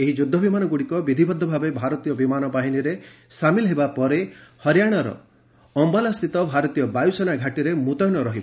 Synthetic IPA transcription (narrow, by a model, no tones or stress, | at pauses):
eɦid͡ʒud̪ʱːɔbimanɔɡuɽikɔbid̪ʱibʱɔd̪ʱːɔbʱabebʱaɾɔt̪ijɔbimanɔpaɦiniɾesamilɔɦebapɔɾehɔɾjaɽ̃ɔɾɔ̰ | ɔmbalast̪ʰit̪ɔbʱaɾɔt̪ijɔbajusɔnaɡʱaʈiɾemut̪ɔjnɔɾɔɦibɔ